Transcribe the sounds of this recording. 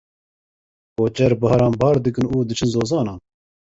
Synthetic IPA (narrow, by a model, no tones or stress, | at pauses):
koːt͡ʃɛɾbɨhɑɾɑːnbɑːɾd̪ɨk̬ɨnuːd̪ɨt͡ʃʰɨnzoːzɑːnɑːn